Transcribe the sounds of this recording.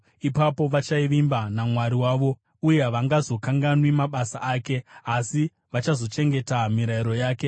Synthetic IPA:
ipapo̞ʋat͡ʃaiʋimbanamwaɾiwaːʋo̞ | uje̞ʋaŋɡazo̞kaŋɡanwimaɓasaʔaːke̞asi | ʋat͡ʃazo̞t͡ʃe̞ŋɡe̞tamiɾaiɾo̞jaːke̞

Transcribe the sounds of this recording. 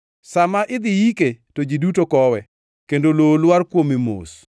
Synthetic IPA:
samaʔɪd̪ɪjiketod͡ʒidutokɔwɛ | kendololwarkwomimo̰s

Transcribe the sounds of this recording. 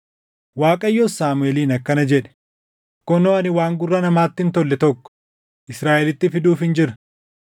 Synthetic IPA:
waːkʼɐjːɔsaːmʊɛliːnɐkːɐnɐd͡ʒɛᶑɛ̥ | kɔnoːɐnɪwaːŋɡʊrːɐnɐmaːt̪ːɪnt̪ɔlːɛt̪ɔkːɔ̥ | ʔɪsɾaːʔɛlɪt̪ːɪfɪd̪uːfhɪnd͡ʒɪɾɐ̥

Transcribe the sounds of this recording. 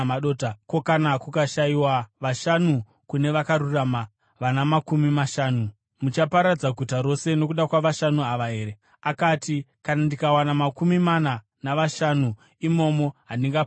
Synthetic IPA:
aɗotako̞kanakukaʃaiwaʋaʃanu | kune̞ʋakaɾurama | ʋanamakumimaʃaːnu | mut͡ʃapaɾad͡zaɡʱutaɾo̞se̞no̞kuɗakwaʋaʃanuaʋaɦe̞ːɾe | akaːtikanandikawanamakumimana | naʋaʃanu | imo̞mo̞ɦandiŋɡa

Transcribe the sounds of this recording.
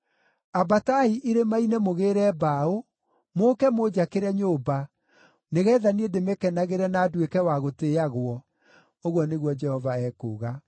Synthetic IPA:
abataiʔiɾemainemoɣeɾɛːbao | moːkɛmod͡ʑakeɾɛɲoːba | neɣɛðaniedemekɛnaɣeɾɛnaːdwekɛwaɣoteaɣwɔ | oɣwɔneɣwɔd͡ʒɛhɔvaɛko̰ːɣa

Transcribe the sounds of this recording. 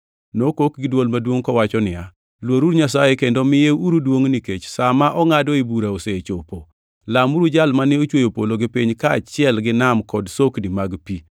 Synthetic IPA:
nokok̚ɡɪdwolmadwoŋkɔwat͡ʃɔnɪja | lwoɾuɾɲasajekendomɪjeuɾudwoŋniket͡ʃsamaʔɔŋadɔibuɾaoseet͡ʃopo | lamuɾud͡ʒalmanɪot͡ʃwojopoloɡɪpiɲkaːt͡ʃɪɛlɡɪnamkɔdsokdimaɡpi

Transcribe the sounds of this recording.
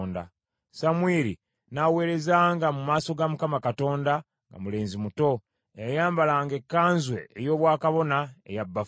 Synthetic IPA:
nda̰ | samweɾḭ | nawe̞ːɾe̞zaːŋɡamumaːso̞ɡamukamakato̞ːnda | ŋɡa̰mule̞ːnzimuto̞ | ejajaːmbalaːŋɡe̞kːaːnzwe̞̰ejo̞ːβwaːkaβo̞naḛjabːaf

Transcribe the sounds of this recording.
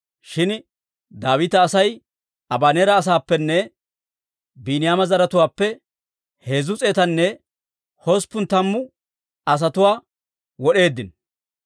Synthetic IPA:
ʃɪn | d̪aːwɪt̪ɐːsɐj | ɐbaːneːɾɐːs̬aːpːɛnːɛ | biːnɪjaːmɐzɐɾɐt̪ʊwaːpːɛ | he̞ːzʊt͡sʼeːt̪ɐnːɛ | hɔspːʊnt̪ɐmːʊ | ɐs̬ɐt̪ʊwaː | wɔɗe̞ːd̪ːɪn

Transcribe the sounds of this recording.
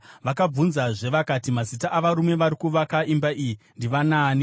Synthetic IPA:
ʋakab͡vunzaʐe̞ʋakatimazitaʔaʋaɾume̞ʋaɾikuʋakaʔimbaʔiji | ndiʋanaːni

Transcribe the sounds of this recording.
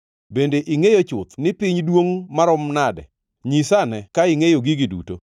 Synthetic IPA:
bendeʔiŋejot͡ʃʊt̪nɪpɪɲdwoŋmaɾɔmnadɛ̰ | ɲisanɛkaɪŋejoɡiɡidṵto̰

